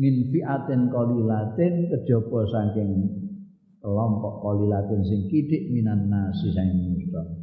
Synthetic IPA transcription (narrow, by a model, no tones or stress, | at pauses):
mɪnfiʔat̪ɪnkɔlilat̪ɪnkəd̥ʒ̥ɔ̤b̥ɔsaŋkɪŋ | lɔmpɔʔkɔlilat̪ɪnsɪŋkid̪̥ɪʔminanːasisaŋkɪŋust̪ɔ